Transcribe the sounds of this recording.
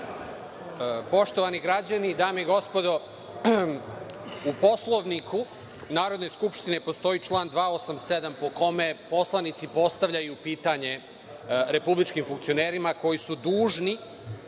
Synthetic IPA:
po̞ʃt̪oʋaniɡɾad͡ʑanid̪aːmeiɡo̞spo̞d̪o̞ | upo̞slˠoʋnikʰu | naːɾo̞d̪no̞jskupʃt̪inepo̞st̪o̞it͡ʃlˠaːnd̪ʋaːo̞samse̞d̪ampo̞ko̞me̞po̞slˠanit̪sipo̞st̪aʋʎajupiːt̪aɲe̞ | ɾe̞publit͡ʃkiːmfuŋkt̪sio̞neːɾimako̞jisud̪uːʒni

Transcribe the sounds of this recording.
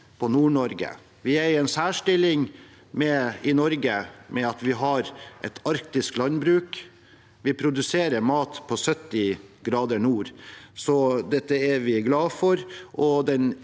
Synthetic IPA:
pʰɔnuːɳɔɾɡə̰ | ʋɪæɾɛnsæːʂʈɪlɪŋ | mɛɪnɔɾɡəmʔɛɑt̪ʋɪɦɑɾʔɛt̪ɑɾkt̪ɪsklɑnbɾʉːk | ʋɪpʰɾʊd̪ʉseːɾəɾmɑːt̪pʰɔsœt̪ːɪɡɾɑːd̪əɳuːɾsɔd̪ɛt̪ːəɛɾʋɪɡlɑːfɔɾʔɔd̪ɛn

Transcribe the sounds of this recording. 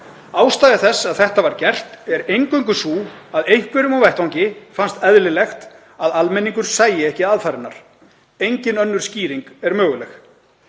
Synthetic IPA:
aːwst̪aːjðɪθɛsːaðθɛht̪avaɾcɛr̥t̪ɛɾejŋkœɥŋk̬ʏsuːaðejhkvʏɾʏmawvɛht̪awɲcɪfanst̪ɛðlɪlɛxt̪ | aðalmɛniŋkʏɾ̥saːjɪɛhcɪaðfaːɾɪnːa̰ɾ̥ | ejɲcɪnœnːʏɾ̥sciːɾiŋkɛɾmœːɣʏlɛx

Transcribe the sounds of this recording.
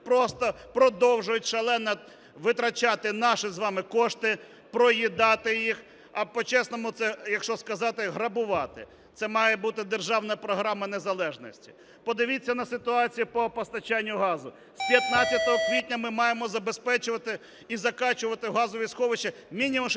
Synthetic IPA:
pɾɔst̪ɔpɾɔd̪ɔwʒʊjʊtʲʃɐlˠɛnɐ | ʋɪt̪ɾɐt͡ʃɑt̪ɪnɑʃɪzʋɑmɪkɔʃt̪ɪ | pɾɔjid̪ɑt̪ɪjix | ɐpɔt͡ʃɛsnɔmʊt̪sɛjɐkʃt͡ʃɔskɐzɑt̪ɪɦɾɐbʊʋɑt̪ɪ̰ | t̪sɛmɑjɛbut̪ɪd̪erʒɑwnɐpɾɔɦɾɑmɐnezɐlˠɛʒnɔsʲtʲi̥ | pɔd̪ɪʋʲit͡sʲːɐnɐsɪt̪ʊɑt͡sʲijipɔpɔst̪ɐt͡ʃanʲːʊɦɑzʊ | spʲjɐt̪̚nat͡sʲjɐt̪ɔɦɔkʋʲitʲnʲɐmɪmɑjemɔzɐbespɛt͡ʃʊʋɐt̪ɪ | izɐkɑt͡ʃʊʋɐt̪ɪɦɑzʊʋʲisxɔʋɪt͡ʃɐmʲinʲimʊm

